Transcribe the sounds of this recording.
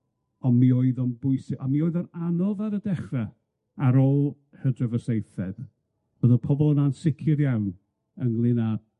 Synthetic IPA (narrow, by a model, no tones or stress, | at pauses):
ɔnmioːɨðɔnbʊɨsɪamioːɨðɔnanɔvaɾədɛχrɛ | aɾɔlˠ | hədrəvəsejθɛd̥ | vəðəpʰɔbɔlˠənansɪkʰɪɾjawn | əŋlˠɪnḁ